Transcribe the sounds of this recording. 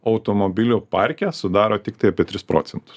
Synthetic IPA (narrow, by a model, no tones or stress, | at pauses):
ɐʊt̪omobʲɪlʲuːpɑɾʲkʲɛsʊd̪ɑːɾoːt̪ʲɪkt̪ɐɪɐpʲieɛt̪ʲɾʲɪspɾo̰ːt̪sʲɛnt̪ʊ̥s